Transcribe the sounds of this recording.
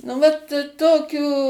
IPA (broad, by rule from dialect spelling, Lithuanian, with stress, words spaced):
nʊ ˈʋɐt ˈtoːkʲuː